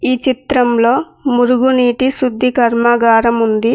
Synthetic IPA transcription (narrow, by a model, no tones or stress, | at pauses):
iːt͡ʃit̪ɾɐmlo̞ː | muɾuɡuniːʈisud̪ʱːikɐɾmaɡaːɾɐmund̪i